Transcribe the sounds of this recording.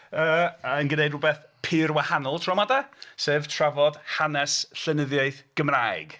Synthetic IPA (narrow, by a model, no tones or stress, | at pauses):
əːənɡənejdrʊbɛθpʰɪːrwahanɔlˠtʰrɔmadaseːv̥tʰravɔd̥hanɛsɬɛnəðjaɨθɡ̥əmraɨɡ̥